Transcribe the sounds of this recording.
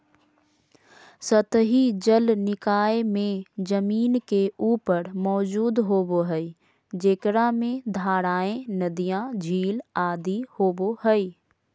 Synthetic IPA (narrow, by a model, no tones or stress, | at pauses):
sət̪ɦid͡ʒəlnɪkaːemẽd͡ʒəmiːnkeuːpəɾmɔːd͡ʒuːd̪ɦoːboɦɛi | d͡ʒeːkɾamẽd̪ʱaːɾaːẽnəd̪ijãd͡ʒʱiːlaːd̪ihoːboɦɛi